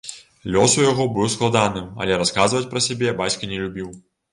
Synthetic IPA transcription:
lʲɔsujaɣɔbɨwsklˠad̪anɨmɐ̰lʲɛɾaskazvɐt͡sʲpɾɐsʲabʲɛbat͡sʲkɐnʲɛlʲubʲiw

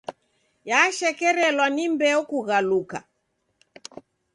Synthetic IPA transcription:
jaʃɛkɛɾɛlwanimbɛɔkuɣaluka̰

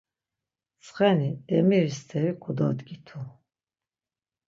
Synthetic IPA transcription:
sχɛniɛmiɾist̪ʰɛɾikʰud̪ɔ̰d̪ɡit̪ʰu

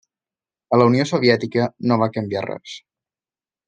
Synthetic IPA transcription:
ələuniosoβiɛt̪ikənoβ̞akəmbia̰rɛ̰s

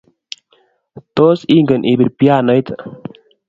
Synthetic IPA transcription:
t̪osiŋɡənʔibiɾpjaːnəjt̪

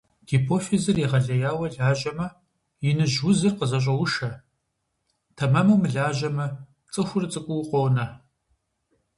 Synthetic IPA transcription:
ɡ̥ipʰoːfezɐriʁɐɮɐjaːwɐɮaːʒɐmɐ | jɪnɨʒwʊzɨrqəzɐɕ̬ʼɐwʊʃɐ | tʰɐmɐmɐmɨɮaːʒɐmɐ | t͡sʼɨxʷʊrɨt͡sʼɨkʷʼʊwqʷʼownɐ

